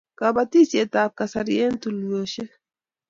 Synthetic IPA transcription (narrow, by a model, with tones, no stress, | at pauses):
kaba˨t̪i˦se˨t̪aːp̚kasaɾie˦nt̪u˨ljo˨ʃe˦